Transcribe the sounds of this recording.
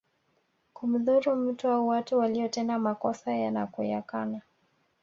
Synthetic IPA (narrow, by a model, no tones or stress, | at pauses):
kum̩ðuɾum̩tuauwatuwaliɔtɛndamakɔsajanakujakana